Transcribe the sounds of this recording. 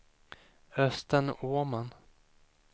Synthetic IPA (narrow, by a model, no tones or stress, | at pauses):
œst̪əɳoman